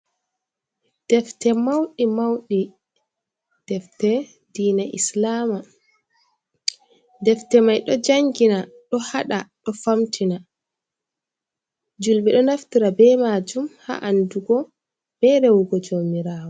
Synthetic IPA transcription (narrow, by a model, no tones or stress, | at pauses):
d̥ɛftɛmawɗimawɗi | d̥ɛftɛ | diːnaʔḭslaːma | dɛftɛmajɗɔd͡ʒaŋɡina | ɗɔhaɗaɗɔfamtʰina | d͡ʒulɓɛɗɔnaftiɾabɛmaːd͡ʒumha̰ʔanduɡɔ | b̥ɛɾɛwuɡɔd͡ʒoːmiɾaːwɔ